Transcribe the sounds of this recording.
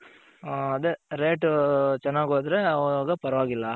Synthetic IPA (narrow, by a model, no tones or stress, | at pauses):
ɐðɯɾeːʈːɯt͡ʃɐnːaːkoːt̪ɪɾɛɐʋɐɡɐpɐɾɐʋaːŋɪlːaː